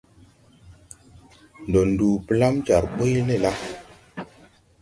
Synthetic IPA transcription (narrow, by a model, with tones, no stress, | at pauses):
n˨do˨ndu˨pla˦mt͡ʃa˨ɾɓo˦jle˦˨la˦